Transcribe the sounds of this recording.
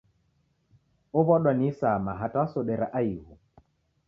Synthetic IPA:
ɔβɔɗwanisamaɦatawasɔɗɛɾaʔaiɦu

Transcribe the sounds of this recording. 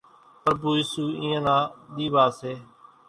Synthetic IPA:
pəɾbuːiːsuːĩːãːnãːɗ̪iːʋaːseː

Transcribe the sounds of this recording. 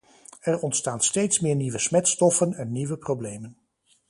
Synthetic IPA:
ɛɹɔntstaːnstejtsmɪːɹniʋəsmɛtstɔfənɛnːiʋəprowblejmən

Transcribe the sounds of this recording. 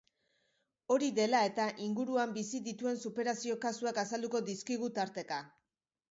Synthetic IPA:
o̞ɾiðe̞lae̞t̪aʔiŋɡuɾuambisiðit̪ue̞nsupe̞ɾasio̞kasuakasald̪uko̞d̪iskiɣ̞ut̪aɾt̪e̞ka

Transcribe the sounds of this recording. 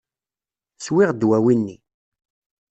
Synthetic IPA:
swɪʁd̪wæwinːḭ

